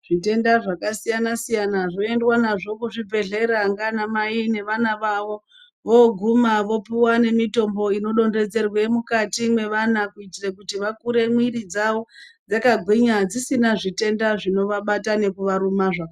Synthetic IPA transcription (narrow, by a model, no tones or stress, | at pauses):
ʐ̥ite̞ndaʐakasijanasijanaʐo̞e̞ndwanaʐo̞kuʐibʱe̞ɮe̞ɾaŋɡanamaine̞ʋanaʋaʋo̞ | ʋo̞ɡʱumaʋo̞piwane̞mito̞mbo̞ino̞ɗo̞nde̞d͡ze̞rwe̞mukatimwe̞ʋanakuitirekutiʋakuɾe̞mwiɾid͡zaʋo̞d͡zakaɡʱwiɲad͡zisinaʐite̞ndaʐino̞ʋaɓatane̞kuʋaɾumaʐaka